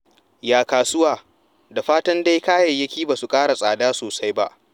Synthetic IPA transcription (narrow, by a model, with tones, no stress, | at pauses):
jaː˨kaː˨sʊ˦waː˨ | da˨ɸaː˦tɐ˦nda˦jkaː˦jɐ˨jjɐ˦kʲiː˦baː˨su˨kʼaː˦ɽa˨sʼaː˨daː˦soː˨sa˦jba˦ʔ